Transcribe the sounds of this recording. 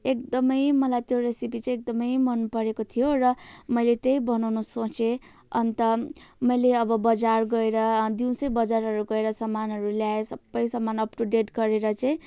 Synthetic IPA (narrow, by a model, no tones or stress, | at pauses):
ek̚d̪ʌmʌjmʌlajt̪joɾesipit͡sʌj̃ek̚d̪ʌmʌjmʌnpʌɾekot̪ʰijoɾʌmʌjlet̪ʌjbʌnawnusõt͡se | ʌnt̪ʌmʌjleʌbʌbʌd͡zarɡʌeɾʌd̪iw̃sʌjbʌd͡zaɾɦʌɾuɡʌeɾʌsʌmːanɦʌɾuljaesʌbːʌjsʌmːanʌpʈuɖeʈɡʌɾeɾʌt͡saĩ